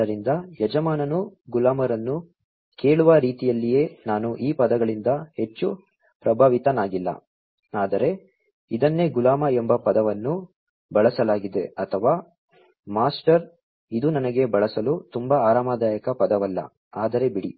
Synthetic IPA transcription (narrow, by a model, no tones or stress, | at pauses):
ɐɾind̪ɐjɐd͡ʒɐmaːnɐnuɡulaːmɐɾɐnːu | ke̞ːɭuʋɐɾiːt̪ijɐlːije̞ːnaːnuʔiːpɐd̪ɐɡɐɭind̪ɐhe̞t͡ʃːu | pɾɐbʱaːʋit̪ɐnaːɡilːɐ̰ | aːd̪ɐɾe̞ | id̪ɐnːe̞ɡulaːmɐembɐpɐd̪ɐʋɐnːu | bɐɭɐsɐlaːɡid̪e̞ɐt̪ʰɐʋaː | maːsʈɐɾ | id̪unɐnɐɡe̞bɐɭɐsɐlut̪umbɐaːɾaːmaːd̪aːjɐkɐpɐd̪ɐʋɐlːɐ̰ | aːd̪ɐɾe̞biɽi